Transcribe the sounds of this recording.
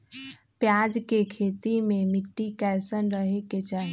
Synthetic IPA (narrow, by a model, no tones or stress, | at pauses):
pjaːd͡ʒkekʰeːt̪imẽmɪʈːikɛːsənɾəɦeket͡ʃaːɦ